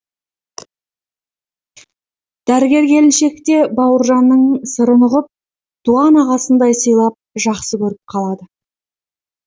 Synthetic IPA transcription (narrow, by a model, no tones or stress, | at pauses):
d̪̥æɾɪɡʲe̞ɾɡʲe̞lɪnʃe̞kt̪e̞bɑwəɾʒɑnːəɴsəɾəməʁəp̚ | d̪̥uɑnɑʁɑsənd̪ɑjsəjlˠɑp̚ʒɑqsəkʲʰɵɾɪp̚qʰɑlˠɑd̪ə